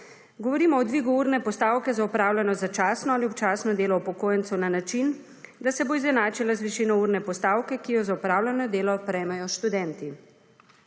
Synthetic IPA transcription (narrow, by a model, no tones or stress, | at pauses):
ɡɔʋɔɾiːmɔɔd̪ʋiːɡuuːɾnɛpɔst̪aːwkɛzaupɾaːwlʲanɔzat͡ʃaːsnɔaliɔp̚t͡ʃaːsnɔd̪eːlɔupɔkoːjɛnt̪sunanat͡ʃin | d̪asɛboizɛnaːt͡ʃilazʋiʃiːnɔuɾnɛpɔst̪aːwkɛkijɔzaupɾaːwlʲanɔd̪eːlɔpɾɛjmajɔʃt̪ud̪ɛnt̪i